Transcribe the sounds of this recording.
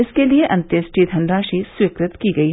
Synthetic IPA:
ɪskelijeʔɐ̃nt̪jɐsʈʰid̪ʱɐnɾaːʃisʋiːkɾɪt̪kiːɡɐiɦ

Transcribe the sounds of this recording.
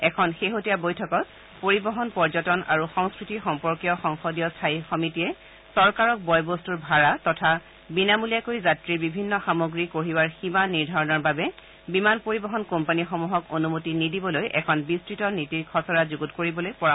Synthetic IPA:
ɛkʰɔnxeɦotijabojtʰɔkɔt̚ | poɹibɔɦɔnpɔɹd͡ʒɔtɔna̰ɹuxɔŋskɹitixɔmpɔɹkijɔxɔŋxɔdijɔstʰajxɔmitiɛ | sɔɹkaɹɔk̚bɔjbostuɹbʱaɹatɔtʰa | binamulijakoɹizatɹibibʱinːɔxamoɡɹikoɹiwaɹximaniɹdʱaɹɔnɔɹbabɛ | bimanpoɹibɔɦɔnkompanixɔmuɦɔkonumotinidibɔlojʔɛ̰kʰɔnbistɹitɔnitikʰɔsɔɹazuɡutkoɹibɔlojpɔɹa

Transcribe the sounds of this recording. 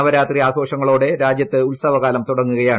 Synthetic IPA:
ɐʋɐɾaːt̪riaːɡʰʱo̞ːʂɐŋːɐɭoːɽe̞ɾaːd͡ʑjɐtt̪ːɨulsɐʋɐɣaːlɐmt̪uɽɐŋːuɣɐjaːɳ

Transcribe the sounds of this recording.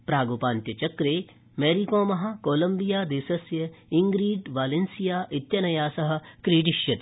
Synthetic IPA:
pɾaːɡopaːnt̪jɐt͡ʃɐkɾeː | meːɾikõːmɐɦɐkoːlɐ̃mbijaːd̪eːsɐsjɐiŋɡɾiːɖʋaːlensijaːʔit̪jɐnɐjaːsɐɦɐ̆kɾiːʈiʃjɐt̪i̥

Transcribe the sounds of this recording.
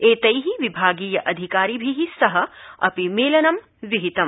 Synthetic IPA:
eːt̪ɐjɦiʋibʱaːɡiːjɐʔɐd̪ʱikaːɾibʱiɦisɐɦɐɐ̰pimeːlɐnɐm | ʋiɦit̪ɐm

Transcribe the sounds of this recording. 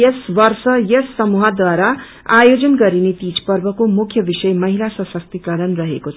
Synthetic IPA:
esbʌrsʌjʌsːʌmuɦad̪waɾa | ajod͡zʌnɡʌɾinet̪id͡zpʌrbʌkomukʰjʌbisʌjmʌɦilasʌsʌk̚t̪ikʌɾʌnrʌɦekot͡sʰ

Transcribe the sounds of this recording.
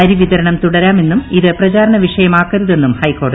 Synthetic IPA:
ɐɾiʋiðɐɾɐɳɐmt̪uɽɐɾaːme̞nːumiðɨprɐt͡ɕaːɾɐɳɐʋiʂɐjɐmaːkːɐɾuðe̞nːumhɐjkːo̞ːrɽɨ

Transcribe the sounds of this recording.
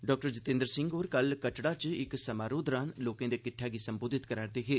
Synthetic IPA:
ɖɔːk̚ʈəɾd͡ʒɪt̪ẽːnd̪əɾsɪŋɡoːɾkəlkəʈɽat͡ʃɪksəmaːɾoːd̪ɾaːnloːkẽːd̪ekɪʈʰːaːɡisəmboːd̪ʱɪt̪kəɾəːɳt̪eɦeː

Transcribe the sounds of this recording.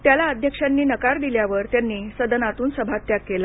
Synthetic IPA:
t̪jalaəd̪ʱjəkʂanːiːnəkaɾd̪iljaʋəɾt̪janːiːsəd̪ənat̪uːnsəbʱat̪ːjakːela

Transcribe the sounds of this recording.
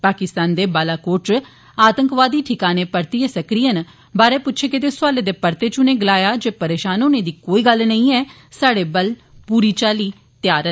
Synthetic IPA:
paːkɪst̪aːnd̪eːbaːlaːkoːɾʈ | aːt̪əŋkʋaːd̪iːʈʰɪkaːneːpəɾt̪iəsəkɾijən | baːɾeːpʊtːʃʰeːkɪt̪eːsʊaːleːd̪eːpəɾt̪eːt͡ʃʊnẽːɡɪlaːjaːd͡ʒeːpəɾeːʃaːnoːnẽːd̪iːkoːiːɡəlnəĩːɛː | saːɽeːbəl | puːɾiːt͡ʃaːliː | t̪ɪjaːɾət̪

